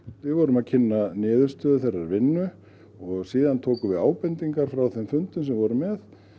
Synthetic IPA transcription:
vɪðvɔɾʏmaðcʰɪnːanɪːðʏɾ̥st̪œːðʏθɛjrːaɾvɪnːʏ | ɔɣsiːðant̪ʰoːwkʏvɪðaːwpɛnt̪iŋkaɾ̥fɾawθɛmfʏnt̪ʏms̬ɛmvɔɾʏmɛθ

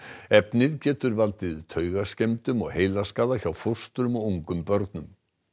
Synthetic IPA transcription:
ɛpnɪðcɛːt̪ʏɾvalt̪ɪðʏt̪ʰœːɥɣascemt̪ʏmɔɣheːjlaskaːðaçawfur̥st̪ʏɾʏmawuŋkʏmpœɾt̪nʏm

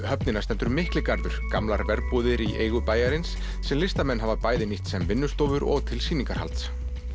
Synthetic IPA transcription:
hœpnɪnast̪ɛnt̪ʏɾmɪhklɪkaɾðʏɾ̥kamlaɾvɛɾpuːðɪɾiʔeːjɣʏpaːjaɾɪnsː | ɛmlɪst̪amɛnːɦavapaːjðɪniht̪sɛmvɪnːʏst̪oːwvʏɾɔ̰ɣt̪ʰɪlsiːniŋkaɾ̥ha̰lt̪s

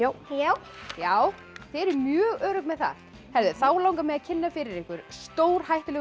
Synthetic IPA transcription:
ajaw | jaːw | θɛɾɛɾmjœːɣœːɾʏkmɛðθa̰ð̥ | hɛvðʏθaːwlawŋkamɛðaðcʰɪnːafɪɾɪɾɪhkvʏɾ̥st̪oːwɾ̥hajht̪ʏlɛ

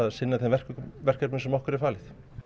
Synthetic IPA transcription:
aðsɪnːaθɛmvɛr̥kvɛr̥kːɛɾpnʏnsɛmɔhkʏɾɛɾ̥faːlɪθ

